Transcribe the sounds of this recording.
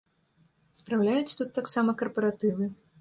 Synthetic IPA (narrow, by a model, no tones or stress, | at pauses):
spɾawlʲajut͡sʲt̪ut̪ːaksamɐkɐrpɐɾat̪ɨvɨ